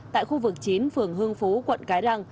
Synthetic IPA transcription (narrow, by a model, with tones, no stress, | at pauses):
t̪a̰ː˧˨jxu˧vɨ˨˩k̚t͡ɕi˨˦nfɨ˨˩əŋɦɨ˧əŋfo˨˦kwə̰˧˨nkaː˨˦jza˧ŋ